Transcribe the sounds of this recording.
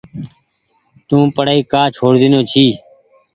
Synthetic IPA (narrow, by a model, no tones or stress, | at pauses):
t̪ũːpəɽaːiːkaːt͡ʃʰoːɽd̪ɪnõːt͡ʃʰiː